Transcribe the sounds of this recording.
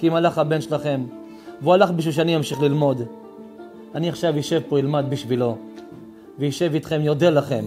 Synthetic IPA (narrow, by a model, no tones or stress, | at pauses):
kiimalaχhabe̞nʃelaχe̞m | vualaχbiʃvilʃ̬eanijamʃiχlilmo̞d̪ | aniaχʃavjiʃe̞vpo̞ilmad̪̚biʃvilo̞ | vejiʃe̞vit̪χe̞mjo̞delaχe̞m